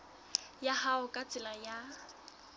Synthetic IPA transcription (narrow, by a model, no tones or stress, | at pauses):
jahaʊkʼat͡sʼɪlaja